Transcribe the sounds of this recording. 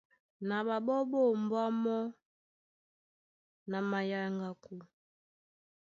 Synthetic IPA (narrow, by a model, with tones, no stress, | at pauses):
na˨ba˨bɔ˦bo˦˨m˨bwa˦mɔ˦ | na˨ma˨ja˨ŋɡa˨ku˨